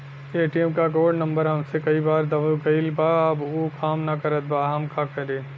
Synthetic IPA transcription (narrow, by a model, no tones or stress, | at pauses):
eːʈiɛmkakoːɽnɐ̃mbəɾɦɐmsekɐibaːɾd̪ɐbɡɐɪlbaːbuːkʰaːmnɐkɐɾət̪̚baːɦɐmkaːkɐɾẽː